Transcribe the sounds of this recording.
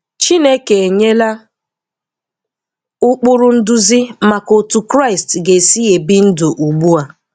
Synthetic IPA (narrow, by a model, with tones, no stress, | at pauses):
t͡ʃi˦ne˦ke˨e˨ɲe˦la˦ | ʊ˦k͡pʊ˦ɾʊ˦n̩˦dʊ˦zi˦ma˨ko˨tʊ˨kɾa˦˨ɪ˨stɡe˨si˦e˨bi˦n̩˦dʊ˨ʔu˨ɡ͡bu˦a˨